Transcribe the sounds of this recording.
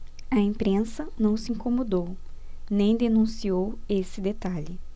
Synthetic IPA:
ɐẽmpɾẽsɐnɐ̃w̃sɪĩŋkomod̪ow | nẽj̃d̪enũsiowesɪd̪et̪aʎɪ

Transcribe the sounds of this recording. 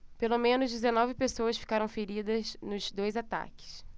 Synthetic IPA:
pelomẽnʊzd͡ʒɪzenɔvɪpesowɐsfi̥kaɾɐ̃w̃feɾid̪ɐznʊzd̪ojzat̪a̰kɪ̥s

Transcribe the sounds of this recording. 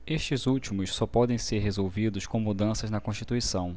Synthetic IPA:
eʃt͡ʃɪzuwt͡ʃimʊssɔpɔd̪ẽj̃seɾɦezowvid̪ʊʃkõw̃mud̪ɐ̃sɐznɐkõʃt͡ʃit̪uisɐ̃w̃

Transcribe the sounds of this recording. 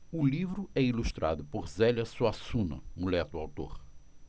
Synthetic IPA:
ʊlivɾʊɛiluʃt̪ɾa̰d̪ʊpoɾzɛlɐsuasũnɐ̰ũlɛt̪ʊawt̪o̰ɾ

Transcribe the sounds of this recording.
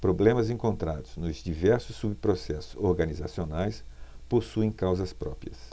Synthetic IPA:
pɾoblẽmɐzẽŋkõnt̪ɾad̪ʊz̥nʊzd͡ʒivɛɾsʊsːubpɾosɛsʊ̥zoɾɡɐniza̰sionajsposuẽj̃kawzɐspɾɔpɾiɐ̰s

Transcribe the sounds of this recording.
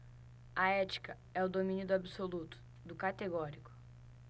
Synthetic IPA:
ɐɛt͡ʃi̥kɐ | ɛʊd̪omĩnʊd̪ʊabisolut̪ʊ̥ | d̪ʊkat̪eɡɔɾikʊ̥

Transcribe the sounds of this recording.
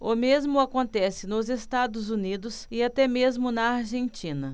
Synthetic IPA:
ʊmezmʊakõnt̪ɛsɪnʊzest̪ad̪ʊzunid̪ʊsɪat̪ɛmezmʊnɐaɾʒẽnt͡ʃĩnɐ

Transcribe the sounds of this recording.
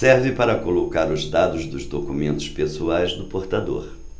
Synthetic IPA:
sɛɾvɪpaɾɐkolokaɾʊzd̪ad̪ʊzd̪ʊzd̪okumẽnt̪ʊspesuajzd̪ʊpoɾt̪ad̪o̰ɾ

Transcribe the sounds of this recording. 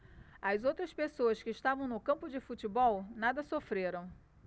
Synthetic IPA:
ɐzowt̪ɾɐspesoɐskɪːʃt̪avɐ̃w̃nʊkɐ̃mpʊd͡ʒɪfut͡ʃɪbɔwnad̪ɐsofɾeɾɐ̃w̃

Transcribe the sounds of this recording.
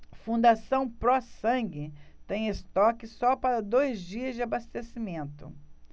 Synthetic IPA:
fũd̪asɐ̃w̃pɾɔsɐ̃ɡɪt̪ẽj̃est̪ɔkɪsɔpaɾɐd̪ojzd͡ʒiɐzd͡ʒɪabast̪esimẽnt̪ʊ̰

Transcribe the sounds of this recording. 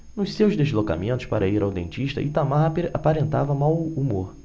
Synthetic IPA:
nʊʃsewzd̪ezloka̰mẽnt̪ʊʃpaɾʔɐiɾawd̪ḛ̃nt͡ʃiʃt̪ɐ̰ʔɪt̪amaɾapeɾapaɾẽnt̪a̰vɐmawumoɾ

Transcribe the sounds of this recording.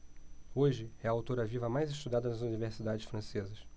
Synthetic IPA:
oʒɪɛɐawt̪oɾɐvivɐmajzɪʃt̪ud̪ad̪ɐnɐzuniveɾsid̪ad͡ʒɪsfɾɐ̃sezɐs

